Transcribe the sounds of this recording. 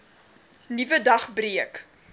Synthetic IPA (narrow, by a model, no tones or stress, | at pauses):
nivədɐχbriək